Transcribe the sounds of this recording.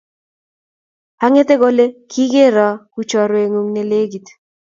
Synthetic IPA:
a˦ŋe˦t̪e˦ɡo˦le˦kʰi˦ɡe˦ɾɔ˦ku˦t͡ʃɔ˨ɾwe˨ŋu˨ŋne˨le˦ɡi˨t̪

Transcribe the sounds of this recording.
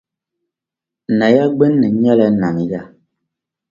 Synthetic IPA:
na˨ja˦ɡ͡bɛ˦nːə˨ɲɛ˦lɛ˦na˨ni˨ɣa˦˨

